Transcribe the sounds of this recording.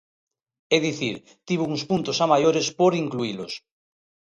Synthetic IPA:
eðiθiɾ | t̪iβ̞ouŋspunt̪osamajoɾespoɾiŋkluilos

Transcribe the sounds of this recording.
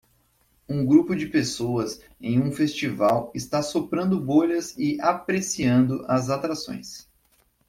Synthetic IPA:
ũɡɾupʊd͡ʒɪpesoɐz | ẽj̃ũfest͡ʃivawɪst̪asopɾɐ̃nd̪ʊboʎɐzɪapɾesiɐ̃nd̪ʊʔɐzat̪ɾasõ̰j̃s

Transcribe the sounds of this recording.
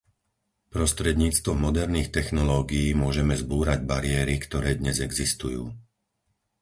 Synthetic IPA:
pɾɔst̪ɾɛd̪ɲiːt͡st̪ʋɔmɔd̪ɛɾniːxt̪ɛxnɔlɔːɡiiːmʊɔʒɛmɛzbuːɾaɟbaɾɪɛːɾikt̪ɔɾɛːd̪ɲɛzɛɡzist̪ujuː

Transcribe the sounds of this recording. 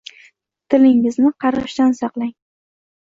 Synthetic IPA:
t̪ʰɪlɪŋɪznɪqʰɑɾʁɨʃt̪ansɑqlˠaŋ

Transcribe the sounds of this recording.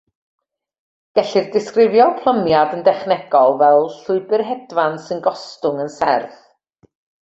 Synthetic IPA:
ɡ̥ɛɬɪrdɪskrɪvjɔpʰlˠəmjadəndɛχnɛɡ̥ɔlˠvɛlˠɬʊɨbɪrɦɛdvansɨnɡɔstʊŋənsɛrθ

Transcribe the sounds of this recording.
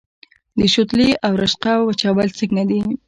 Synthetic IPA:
d̪əʃʊt̪liʔawɾaʃqawat͡ʃawalt͡səknad̪i

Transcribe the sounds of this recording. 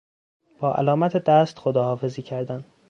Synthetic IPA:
b̥ɒːʔæ̰lɒːmæt̪ʰed̪æst̪xod̪ɒːhɒːfe̞ziːcʰæɾd̪æn

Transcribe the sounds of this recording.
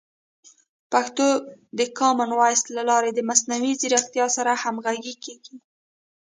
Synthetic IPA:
paxt̪od̪əkɑmanwɑjst̪lalɑɾed̪əmasnawiziɾaxt̪jɑsaɾahamɣaɡikeɡi

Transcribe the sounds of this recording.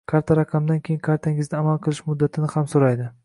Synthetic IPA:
kʰaɾt̪ʰaɾaqʰɑmd̪ankʲʰejɪnkʰaɾt̪ʰaŋɪzd̪ɪamalˠqʰɨlˠɪʃmʊd̪ːat̪ʰɪnɪhamsoɾajd̪ɪ

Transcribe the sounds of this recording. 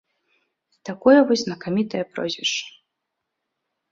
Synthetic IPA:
t̪akɔjɐvɔzʲznɐkamʲit̪ɐjɐpɾɔ̰zʲvʲɛʂt͡ʂɐ̥

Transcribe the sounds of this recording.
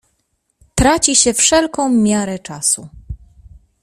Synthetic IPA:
t̪ɾat͡ɕiɕɛfʂɛlkɔ̃w̃mʲjaɾɛt͡ʂasu

